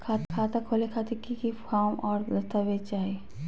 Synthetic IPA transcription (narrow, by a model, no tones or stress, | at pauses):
kʰat̪kʰaːt̪akʰoːlekʰaːt̪əkːikifʰaːmɔːɾɾɐst̪aʋet͡ʃaːi